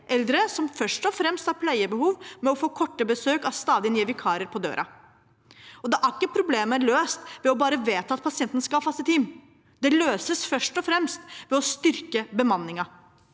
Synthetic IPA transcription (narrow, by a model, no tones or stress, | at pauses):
ʔɛld̪ɾəsɔmfœʂʈɔfɾɛmst̪hɑɾpʰlæɪəbəhuːʋmɛɔfoːkʰɔʈːəbəsøːkɑʋst̪ɑːd̪ɪənɪɛʋɪkʰɑːɾɪəɾpʰɔd̪ø̰ːɾʔɑ̰ | ɔd̪ɛʔæɾɪkːəpʰɾʊbleːməløːst̪ʋɛɔbɑːɾəʋeːt̪ʰəɑt̪̚pʰɑsɪɛnt̪ən̩skɑɑfɑst̪ət̪ʰiːm | d̪ɛløːsəsfœʂʈɔfɾɛmst̪ʋɛɔst̪ʏɾkəbəmɑnːɪŋɑ